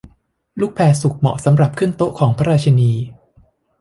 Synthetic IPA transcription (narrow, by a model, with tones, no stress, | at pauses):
luː˥˩k̚pʰɛː˧su˨˩k̚mɔ̰˨˩sa˩˦mɾa˨˩p̚kʰɯ˥˩ənt̪o˦˥ʔkʰɔː˩˦ŋpʰa˦˥ɾaː˧t͡ɕʰa˧niː˧